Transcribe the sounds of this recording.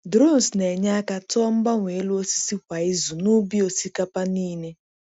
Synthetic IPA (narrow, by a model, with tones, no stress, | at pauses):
dɾo˦˨n˨sne˨ɲa˦a˦ka˦tɔ˦ɔ˦m̩˦ba˦ŋʷe˨e˦lu˦o˦si̥˦si˦kʷa˨i˦zu˨nu˦bi˦o˦si˦ka˦pa˦niː˦ne˦